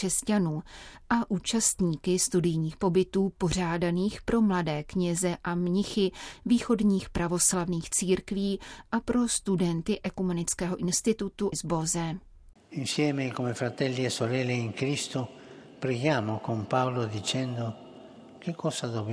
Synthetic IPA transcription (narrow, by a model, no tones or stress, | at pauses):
ɛscanuːʔaʔuːt͡ʃast̪ɲiːkɪst̪udɪjɲiːxpo̞bɪt̪uːpo̞r̝aːdaniːxpɾo̞mladɛːkɲɛzɛʔamɲɪxɪviːxo̞dɲiːxpɾavo̞slavniːxt͡siːɾkviːʔapɾo̞st̪udɛnt̪ɪʔɛkumɛnɪt͡skɛːɦoʔɪnst̪ɪt̪ut̪uzbozɛ | insjɛːmekomefɾat̪ɛlːiɛsolɛːleiŋkɾist̪opɾɛɡjaːmokompawlod̪it͡ʃɛnd̪o | kekʰːɔːsad̪ob